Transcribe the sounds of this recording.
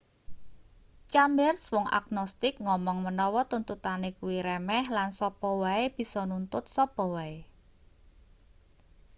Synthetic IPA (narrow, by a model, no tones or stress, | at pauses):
t͡ʃambɛrswɔŋa̰ɡnɔst̪ɪk̚ŋɔmɔŋmənɔwɔt̪unt̪ut̪anekuwiɾɛmɛhlansɔpɔwaeb̥i̤sɔnunt̪ʊt̪̚sɔpɔwae